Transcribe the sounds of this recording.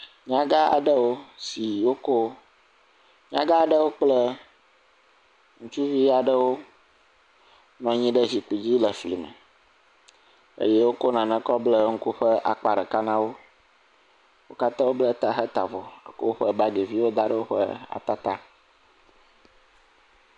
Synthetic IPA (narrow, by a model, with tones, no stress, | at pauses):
ɲã˦ɡa˦a̰˨ɖə˦wo˦si˨wo˦ko˦ | ɲã̰˦ɡa˦˨ɖə˦wo˦k͡plə˦ | ŋũ˦t͡ʃu˦vi˦a˨ɖə˦wo˦ | nɔ̃˨ɲĩ˦ɖə˦zi˨k͡pi˨d͡ʑi˦lə˨fli˨mə̰˨ | ə̰˦jɛ˦wo˦ko˦nã˨nə̃˨kɔ˦blə˦ŋ̩˦ku˦ɸə˦ʔa̰˨k͡pa˨ɖə˨ka˦nã˦wo˦ | wo˦ka˦t̪ã˦wo˦blə˦t̪a˨ɦə˦t̪a̰˨vɔ˨ə̰˦ko˦ɸə˦ba˦ɡe˨vi˦wo˦d̪a˦ɖə˦wo˦ɸə̰˦a̰˨t̪a˦t̪a˦